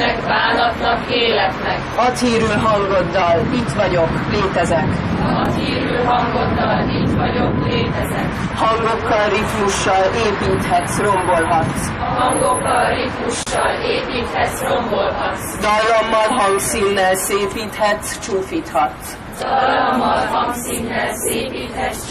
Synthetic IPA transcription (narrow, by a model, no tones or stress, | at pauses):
ɛkbaːnɒt̪nɒkeːlɛt̪nɛkhɒt̪hiːɾylɦɒŋɡo̞d̪ːɒlit̪ʋɒɟo̞kleːt̪ɛzɛkɒt̪hiːɾylɦɒŋɡod̪ːɒliːt̪ʋɒɟokleːt̪ɛzɛk | hɒŋɡo̞kːɒlrit̪muʃːɒleːpiːt̪hɛt̪ro̞mbo̞lɦɒt̪ | ɦɒŋɡokːɒlrit̪muʃːɒleːpiːt̪hɛrombolɦɒt̪ | d̪ɒlːɒmːɒlɦɒŋɡsiːnːɛlseːpiːt̪hɛt̪t͡ʃuːfiːt̪hɒt̪ː | dlːmːɒlɦɒŋksinːɛlseːpit̪hɛ